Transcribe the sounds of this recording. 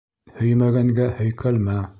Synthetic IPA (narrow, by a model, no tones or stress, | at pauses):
hɵ̆jmæɡæŋɡæhɵ̆jkʰælmæ